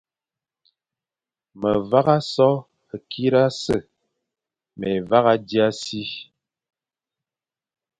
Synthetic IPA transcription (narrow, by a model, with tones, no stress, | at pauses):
mə˨va˦ɣa˦sɔ˦ | ə˨ki˦ɾa˦sə˦˨ | mɛ˨va˦ɣa˦di˦a˦si˦